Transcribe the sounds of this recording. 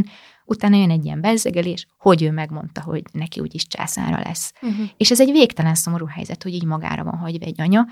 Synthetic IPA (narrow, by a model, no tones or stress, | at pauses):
n | ʔut̪aːnɒjønɛɟːijɛ̰mbɛzːɛɡɛleːʃho̞ɟøːmɛɡmo̞nt̪ɒɦo̞̰ɟnɛkiṵːɟiʃt͡ʃa̰ːsa̰ːɾɒ̰lʔɛ̰sːeːʃɛzɛɟveːkt̪ɛlɛnso̞mo̞ɾuːɦɛ̰jzɛt̪ho̞ɟiːɟmɒɡa̰ːɾɒ̰vɒ̰nɦɒɟvɒɛɟːɒɲɒ